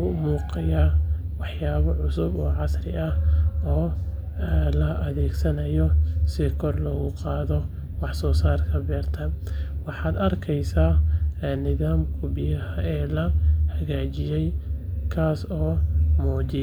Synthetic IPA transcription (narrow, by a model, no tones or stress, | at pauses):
ʊmuːqɑjaː | wɑħjaːβɔʕʊsʊbɔːʕɑsrɪʔɐɔː | lɐʔɐðɛːɡsɐnɐjɔsɪkʰɔrlɔːɣʊqɑːðɔ | wɑħsɔːsaːrkʰɐbɛːrt̪ʰɐwɑħɑːd̪ɐrkʰɛjsaːnɪðaːmkʰʊbɪjɐhɐɛːlɐhɐɣaːt͡ʃɪjɛjkʰaːsɔːmɔːt͡ʃɪ